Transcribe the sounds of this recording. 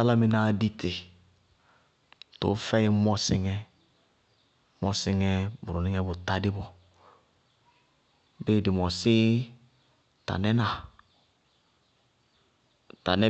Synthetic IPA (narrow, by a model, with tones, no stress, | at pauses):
a˦la˦mɪ˨na˦˨˦di˦tʰɪ˨ | tʊ̰˨˦fɛ˦jɪ˦mɔ˦sɪ˦ŋɛ˦ | mɔ˦sɪ˦ŋɛ˦bʊ˨ɾʊ˨nɪ˦ŋɛ˦bʊ˨ta˦dɪ˦bɔ˨ | beː˦˨dɪ˨mɔ˨sɪ˦ | ta̰˨nɛ˦na˨ | ta̰˨nɛ˦